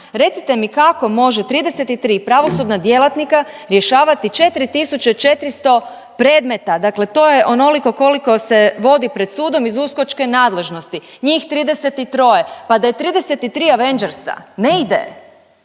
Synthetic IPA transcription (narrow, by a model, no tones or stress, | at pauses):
ɾe̞t̪sit̪emikako̞mo̞ʒe̞t̪ɾiːd̪ese̞t̪it̪ɾiːpɾaʋo̞sud̪nad̪je̞lat̪nikaɾje̞ʃaːʋat̪it͡ʃe̞t̪ɾit̪isut͡ʃet͡ʃe̞t̪ɾist̪o̞ | pɾe̞ːd̪me̞t̪ad̪akle̞t̪o̞ːjeʔo̞no̞liko̞ko̞liko̞se̞ʋo̞d̪ipɾe̞d̪suːd̪o̞mizusko̞t͡ʃke̞naːd̪le̞ʒno̞st̪i | ɲixt̪ɾiːd̪e̞se̞t̪it̪ɾo̞je̞pad̪aje̞t̪ɾiːd̪e̞se̞t̪it̪ɾiːaʋe̞nd͡ʒeɾsa̰neid̪ḛ